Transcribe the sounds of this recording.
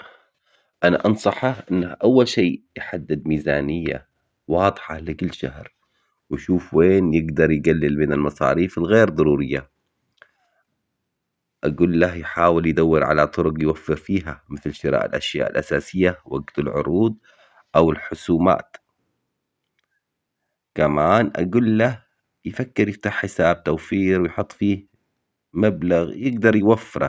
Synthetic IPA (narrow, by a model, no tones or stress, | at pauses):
ʔanaʔɑnsˤɑħaʔɪnːaʔawːalʃeːjħad̪ːɪd̪miːzaːnɪjːa̰ | wɑːd̪ˤɨħɑlɪkɪlːʃa̰hɾ | wʃuːfweːnjɪɡd̪ɑɾˤjɡalːɪlmɪnalmɑsˤɑ̰ːɾiːfɪlɣeːɾd̪ˤɑɾˤuːɾɪjːa | ʔaɡuːlːahjħaːwɪljd̪awːɪɾʕa̰lat̪ˤʊɾʊqjwafːɪɾfiːɦamɪθlʃɪɾa̰ːʔa̰lʔaʃja̰ːʔa̰lʔasaːsɪjːawa̰ɡt̪alʕʊ̰ɾˤuːd̪̚ˤ | ʔawɪlħʊsuːma̰ːt̪ | kamaːnʔa̰ɡuːlːah | jɪfakːɪɾjɪft̪aːħːɪsaːb̚t̪awfiːɾwɪjħʊt̪ˤːfiː | mablaɣjɪɡd̪ɑɾˤjwafːɪɾˤa̰